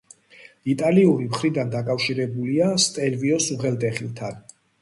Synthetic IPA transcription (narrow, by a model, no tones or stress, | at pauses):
it̪ʼaliuɾimχɾid̪and̪akʼafʃiɾɛbuliast̪ʼɛlviɔsuʁɛlˠd̪ʼɛχilˠt̪ʰan